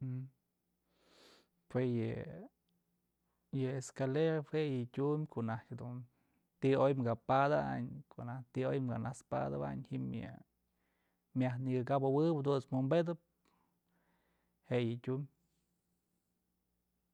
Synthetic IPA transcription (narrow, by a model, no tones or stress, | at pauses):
pwesjɨ | jɨeskaleɾawejɨtʲumʲkʰoʔnahkhed̪un | t̪iojmɡapad̪aa̰ɲkoʔnat̪iojmɡanaspa̰d̪aba̰ɲhimjɨ̰ | mjahniɡɨkabawɨbd̪usmumbed̪ɨp̚ | heʔjɨtʲumʲ